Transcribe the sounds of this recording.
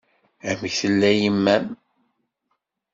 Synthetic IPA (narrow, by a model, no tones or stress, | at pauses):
æmçθəlːæjəmːæm